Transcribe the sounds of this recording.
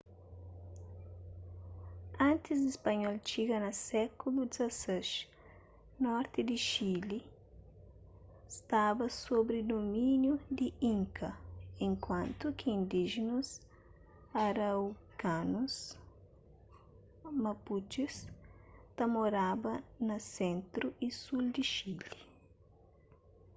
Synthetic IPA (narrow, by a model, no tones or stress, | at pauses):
ãnt̪izd̪ispɐɲɔlt͡ʃiɡɐnɐsɛkulud̪izɐseʃ | nɔɾt̪ɪd̪iʃili | st̪abɐsobɾid̪omĩnjud̪iĩŋkɐẽŋkwãnt̪ukiĩnd̪iʒinus | ɐɾɐwkanus | mɐput͡ʃis | t̪ɐmoɾabɐnɐsẽnt̪ɾuʔisuld̪iʃili